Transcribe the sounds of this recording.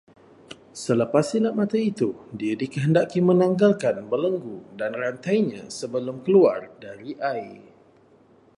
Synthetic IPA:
sələpasilamãt̪ait̪udiadikəɦəndaʔkimə̃naŋɡalkanbələŋɡudanrant̪ajɲã̰səbəlʊmkəluardaɾiʔai

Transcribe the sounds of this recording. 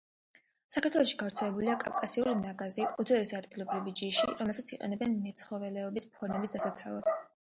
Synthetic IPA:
sakʰaɾt̪ʰwɛlˠɔʃiɡavɾt̪sʰɛlɛbuliakʼa̰vkʼasiulinaɡazikʼud̪zwɛlisad̪ɡilˠɔbɾivid͡ʒiʃḭɾɔmɛlˠt̪ʰat̪sʰiqʼɛ̰nɛbɛnmɛt̪sʰχɔvɛlɛɔbispʰɔɾmɛbisd̪asat̪sʰa̰lˠa̰d̪̥

